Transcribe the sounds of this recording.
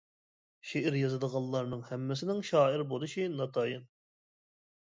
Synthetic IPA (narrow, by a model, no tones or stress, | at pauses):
ʃeʔɪɾjɑzɨd̪əʁɑllˠːɑɾnɨŋhɛmːɪs̬ɪnɪŋʃɑːɪɾbolˠɨʃinɑt̪ʰɑjɨn